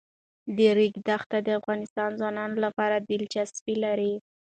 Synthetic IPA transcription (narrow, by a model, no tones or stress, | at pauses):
d̪əɾiɡd̪axt̪ad̪əafɣɑnɪst̪ɑnzwɑnɑnolapɑɾab̪ɪlt͡ʃaspilaɾi